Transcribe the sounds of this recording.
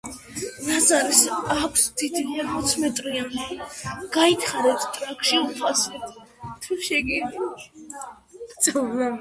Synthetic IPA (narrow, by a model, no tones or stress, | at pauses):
ɾazaɾisakʷʰsd̪ʰid̪ʰiaɾmɔt̪sʰmɛt̪ʼɾian | ɡ̥ait̪ʰχaɾɛpst̪ʼɾakʰʼʃiupʰasɛt̪ʰ | t̪ʰuʃɛɡiɾ | d̪savla